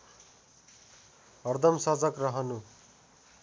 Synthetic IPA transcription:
ʌrd̪ʱʌmsʌd͡zʌkrʌɦʌnu

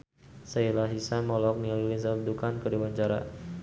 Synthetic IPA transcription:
sailaɦisamɔlɔk̚nialulinsaldukankədiwaɲt͡ʃaɾa̰

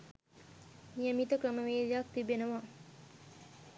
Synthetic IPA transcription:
nijəmit̪əkɾəməʋeːlijak̚t̪ibenəʋa

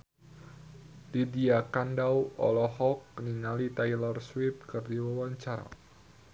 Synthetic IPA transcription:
didiakandawɔ̰lɔɦɔk̚niŋalit̪ajlɔrswɪp̚kɨrdiwawaɲt͡ʃaɾa̰

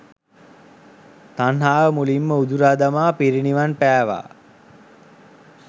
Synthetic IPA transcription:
t̪anɦaːʋəmulimːəud̪uɾad̪amaːpiɾiniʋanpæːʋa̰ː

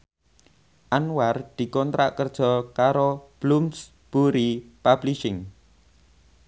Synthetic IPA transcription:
ʔanward̪̥i̤kɔnt̪ɾa̰ʔkərd̥ʒ̥ɔ̤kaɾob̥lums | b̥uɾipab̥liʃɪŋ

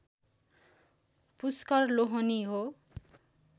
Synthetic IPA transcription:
puskʌrloɦʌniɦo

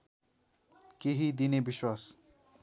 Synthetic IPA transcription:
keɦid̪inebiʃwas

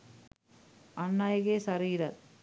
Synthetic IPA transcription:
ɐnːaːjɣeːsɐɾiːɾɐt̪

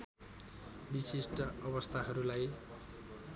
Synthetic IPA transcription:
bisisʈʌʌbʌst̪ʰaɦʌɾulaj

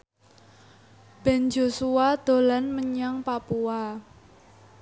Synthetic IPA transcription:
b̥ɛnd͡ʒosuad̪̥o̤lanməɲaŋpapua

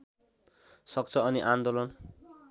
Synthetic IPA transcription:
sʌk̚t͡sʰʌʌniʔand̪olʌn

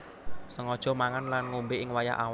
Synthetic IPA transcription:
səŋɔd̥ʒ̥ɔ̤maŋanlanŋumbɪʔɪŋwaja̰ʔa

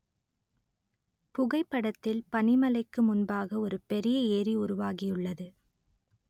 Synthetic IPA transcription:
pʊɣɐɪpːɐɽɐt̪ːɪlpɐnɪmɐlɐɪkːɯmʊnbaːɣɐɔɾɯpɛɾɪjɐeːɾiʊɾʊʋaːɣɪjɯɭːɐðɯ

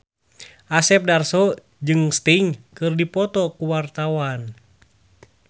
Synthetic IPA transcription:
ʔasɛp̚darsɔ | d͡ʒɨŋst̪iŋkɨrdipɔt̪ɔkuwart̪awan

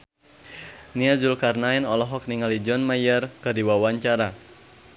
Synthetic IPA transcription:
niazulkarnaɛnɔlɔɦɔk̚niŋalid͡ʒɔnmajərkɨrdiwawaɲt͡ʃaɾa

